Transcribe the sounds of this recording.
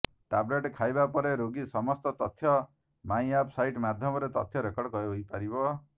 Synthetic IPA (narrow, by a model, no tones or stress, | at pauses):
ʈableʈkʰajbapɔɾeɾoɡisɔmɔst̪ɔt̪ɔt̪ʰːjɔ | maj̃apʰsajʈmad̪ʱjɔmɔɾet̪ɔ̰t̪ʰjɔɾekɔɽkɔeɦojpaɾibɔ